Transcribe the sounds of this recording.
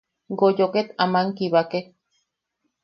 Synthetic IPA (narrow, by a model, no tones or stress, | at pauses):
ɡojoket̪amaŋkiβake